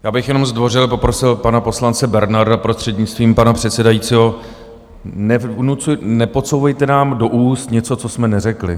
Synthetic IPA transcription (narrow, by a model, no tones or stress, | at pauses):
jaːbɪxjɛnomzdvo̞rɪlpo̞pɾo̞sɪlpanapo̞slant͡sɛbɛɾnaɾdapɾost̪r̥ɛd̪ɲɪt͡st̪viːmpanapr̝̥ɛt̪sɛdajiːt͡siːɦo̞ | nɛnut͡sujnɛpo̞t͡sowvɛjt̪ɛnaːmdo̞ʔuːst̪ɲɛt͡so̞t͡so̞smɛnɛrɛklɪ